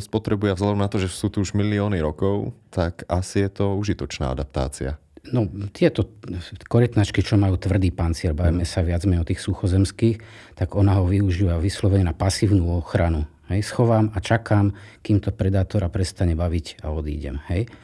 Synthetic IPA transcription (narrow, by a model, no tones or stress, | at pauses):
spɔt̪ɾɛbujɛvzlad̪ɔmnat̪ɔʒɛsuːt̪uuʒmiliɔːniɾɔkɔʊt̪akasijɛt̪ɔuʒit̪ɔt͡ʃna̰ːa̰d̪ap̚t̪a̰ːt͡sḭa̰ | nɔt̪ɪɛt̪ɔkɔɾɛt̪nat͡ʃkit͡ʃɔmajuːt̪ʋr̩d̪iːpant̪t͡sɪɛɾbaʋiːmɛsaʋɪad͡zmɛɲɔt̪iːxsuxɔzɛmskiːx | t̪aɡɔnaɦɔʋiuʒiːʋaʋislɔʋɛɲɛnapasiːʊnuɔxɾanu | ɦɛjsxɔʋaːmat͡ʃakaːmkiːmt̪ɔpɾɛd̪aːt̪ɔɾapɾɛst̪aɲɛbaʋica̰ɔd̪ḭːɟɛ̰mhɛj